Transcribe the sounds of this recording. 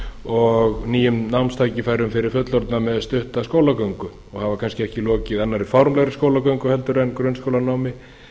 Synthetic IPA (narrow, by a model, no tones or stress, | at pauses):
ɔɣniːjʏmnawnst̪ʰaːjcɪfajɾʏmfɪɾɪɾ̥fœt̪lɔɾt̪namɛðst̪ʏht̪askoːwlakœɥŋkʏ | ɔɣhavakʰanscɪɛhcɪlɔːcɪðanːaɾifawɾmlɛɣɾɪskowlakœɥŋkʏhɛlt̪ʏɾɛnkɾœnskʰowlanaːwmɪ